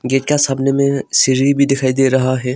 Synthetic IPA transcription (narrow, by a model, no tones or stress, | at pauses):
ɡeːʈ̚kasaːmnemẽsɪɾibʱid̪ɪkʰaːid̪eːɾɐɦaɦɛː